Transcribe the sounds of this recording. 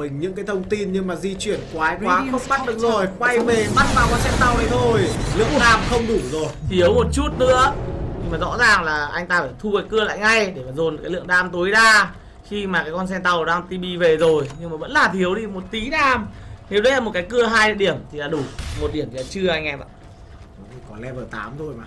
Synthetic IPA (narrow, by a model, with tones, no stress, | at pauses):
mï˨˩ŋ̟ɲɨ̰˧˥ŋkaː˨˦jt̪ʰə˧wŋ͡mt̪i˧nɲɨ˧ŋmaː˨˩zi˧t͡ɕwi˧˩ənkwaː˨˦jkwaː˨˦ə˦˥ɓa˦˥t̚ɗɨ˨˩ək̚zo˧˨˩jkwa˧jve˨˩ɓa˦˥t̚vaː˧˩wkɔ˧nsɛ˧nt̪a˧˩wi˨˦o˧˩jlɨ̰˧˨əŋɗaː˧˩mxə˧wŋ͡mɗu˧˩zo˨˩jt̪ʰwmo˨˩t̚t͡ɕu˦˥t̚nɨ̰˧˥əɲɨ˧ŋmaː˨˩zɔ̰˧˥zaː˨˩ŋlaː˨˩ʔa˧jŋ̟t̪aː˧faː˧˩jt̪ʰu˧kaː˨˦jkɨ˧əla̰ː˧˨jŋa˧jɗe˧˩maː˨˩zo˨˩nkaː˨˦lɨ̰˧˨əŋɗaː˧mt̪o˨˦jɗaː˧ | xi˧maː˨˩kaː˨˦kɔ˧ns̬ɛ˧nt̪a˧˩wɗaː˧ŋt̪i˧ɓi˧ve˨˩zo˨˩jɲɨ˧ŋmaː˨˩və̰˧˥nlaː˨˩t̪ʰəwti˧mo˨˩t̚t̪i˨˦ɗaː˧˩mne˨˦wɗə˧jlaː˨˩mo˨˩t̚kaː˨˦jk̬ɨ˧əɦaː˧jɗɗi˧˩əmt̪ʰi˨˩laː˨˩ɗu˧˩mo˨˩t̚ɗi˧˩əmt̪ʰi˨laː˧t͡ɕɨ˧əʔa˧jŋ̟ʔɛ˧ma̰˧˨˩ | i˧˩kɔ˨˦lɛ˧vəː˧˩t̪a̰ː˨˦mt̪ʰo˧˩jmaː˨˩